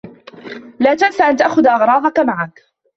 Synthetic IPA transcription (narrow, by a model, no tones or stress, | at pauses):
laːt̪ansaʔant̪aʔxʊðʔɑɣɾˤɑːd̪ˤɑkamaʕak